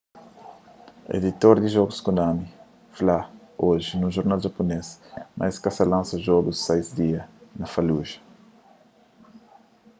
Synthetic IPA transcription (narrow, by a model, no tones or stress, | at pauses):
ḛd̪it̪oɾd̪iʒɔɡuskũnd̪ami | flaoʒinũʒoɾnalʒapunesmʔa̰jskasɐlãnsɐʒɔɡussejzd̪iɐnɐfaluʒɐ̥